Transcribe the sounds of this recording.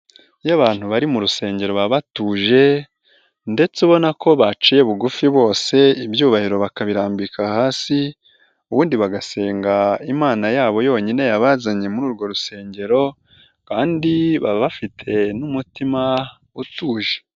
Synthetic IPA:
jaβaːn̥huβaɾimuɾuse̞ːɲɟeɾo̞βaβatuːʒe̞ | nde̞t͡seβo̞nako̞βat͡ʃije̞βuɡufiβo̞ːse̞ibjuːβahiɾo̞βakaβiɾaːmbikahaːsi | uβuːndiβaɡase̞ːŋɡaimaːnajaːβo̞jo̞ːɲine̞jaβaːzaɲe̞muɾuːɾɡo̞ɾuse̞ːɲɟe̞ɾo̞ | kaːndiβa̰βafitʰe̞numutima | utuːʒe

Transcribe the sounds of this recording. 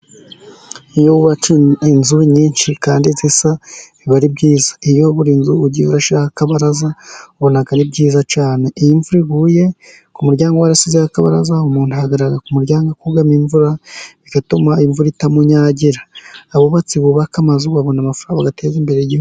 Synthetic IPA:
ijoβuβat͡ʃuinzuβiɲiːnʃikaːndizisa | iβaɾibɡiːzaijoβuɾiːnzuuɟiuɾaʃiaakaβaɾazauβo̞naɡaɾibɡiːzat͡ʃaːne̞ijiɱvuɾiɡuːje̞ | kumuɾɟaːŋɡowaɾasizeakaβa̰ɾa̰zaumuːn̥uhaɡaɾaɾakumuɾɟaːŋɡakuɡamiɱvuɾaβiɡatomaiɱvuɾitamuɲaːɟiɾaːβoβat͡siβuβakamazuβaβo̞namafɾaːŋɡaɡatʰe̞ːzimbe̞ɾejihu

